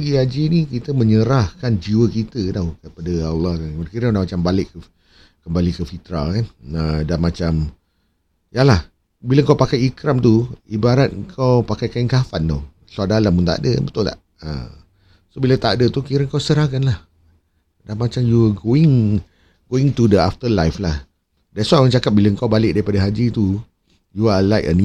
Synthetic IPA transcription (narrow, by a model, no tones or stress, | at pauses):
ɡiad͡ʒinikit̪əmə̃ɲəɾahkand͡ʒiwəkit̪ədakəpadəalːɑhkanakiɾəudahmat͡ʃambalɪʔə | kəmbalikəfit̪ɾa̰lkanədamat͡ʃam | jalah | biləŋkawpakajikɾamt̪uibaɾat̪̚əŋkʰawpakajkaiŋkafant̪o̰ | suadalamunt̪a̰dəbət̪ʊla̰h | ə̰ | sobilat̪adət̪ukiɾəŋkawsəɾakanlah | danmat͡ʃamjuəɡoɪŋ | ɡoɪŋt̪udəaft̪əlajflah | daswamə̃nt͡ʃakap̚bilaŋkawbalɪʔ̚daɾipadaɦad͡ʒit̪u | jualajkə̰ni